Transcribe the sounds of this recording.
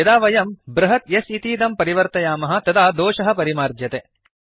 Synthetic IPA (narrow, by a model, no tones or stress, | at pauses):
ɐd̪aːʋɐjɐmbɾɐɦɐt̪jesit̪iːd̪ɐmpɐɾiʋɐɾt̪ɐjaːmɐɦɐ̆t̪ɐd̪aːd̪oːʃɐɦɐ̆pɐɾimaːɾd̪jɐt̪eː